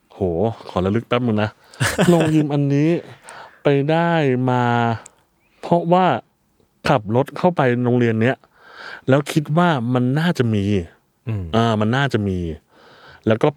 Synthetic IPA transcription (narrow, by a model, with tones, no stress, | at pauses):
hoː˨˩kʰɔː˩˦la˧˥lɯ˦˥k̚t̪a˦˥pmɯ˧ŋna˦˥ | lo˧ŋjɯː˧mʔa˧nːiː˦˥pa˧jdaː˥˩jmaː˧ | pʰɔ˦˥waː˥˩ | kʰa˨˩p̚ɾo˦˥t̪̚kʰa˥˩wpa˧jɾoː˧ŋɾi˧ənːi˦˥ɐ | lɛː˦˥wkʰi˦˥t̪̚waː˥˩ma˧nːaː˥˩t͡ɕa˨˩ʔmiː˧ | ʔɤː˧˩ma˧nːaː˥˩t͡ɕa˨˩ʔmiː˧ | lɛː˦˥wkɔː˥˩